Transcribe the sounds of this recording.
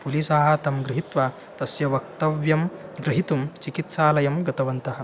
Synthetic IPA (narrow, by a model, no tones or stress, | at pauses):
pulisaːɦɐ̆t̪ɐmɡɾɪɦit̪ʋa | t̪ɐsjɐʋɐk̚t̪ɐʋjɐmɡɾiɦit̪umt͡ʃikit̪saːlɐjɐmɡɐt̪ɐʋɐnt̪ɐɦɐ̆